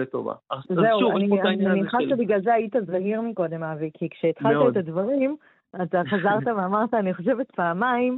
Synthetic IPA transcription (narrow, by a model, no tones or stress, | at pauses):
et̪o̰va̰zeuaniaimeniχaʃebiɡlalzeajit̪azaɦiʁmiko̞d̪e̞mavekʰikʃeːt̪χalt̪aet̪advaʁim | at̪aχazaʁt̪aveamaʁt̪aːniχo̞ʃevet̪̚paːmaim